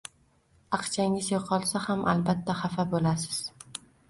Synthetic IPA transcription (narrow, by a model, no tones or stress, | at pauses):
ɑqt͡ʃʰaŋɪzjoqʰɒlˠsahamʔalbat̪ʰːaχafabolasɪ̥z̥